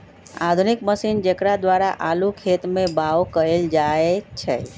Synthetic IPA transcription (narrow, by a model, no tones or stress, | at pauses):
a̰d̪ʱunikməsind͡ʒekɾad̪ʋaɾaʔalukʰet̪mebawkəeld͡ʒaet͡ʃʰɛ̰